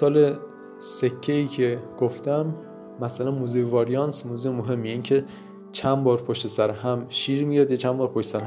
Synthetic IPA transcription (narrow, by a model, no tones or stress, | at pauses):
sɒːle | se̞cʰːeiːcʰeɡ̥oft̪æmː | æsælænmuzivɒɾijɒnsmuːzumoɦe̞mːijeiːncʰe | t͡ʃʰænbɒːɾpʰoʃt̪e̞sæɾɦæmʃiːɾmijɒːd̪jet͡ʃʰænbɒːɾpʰoʃt̪esæɾh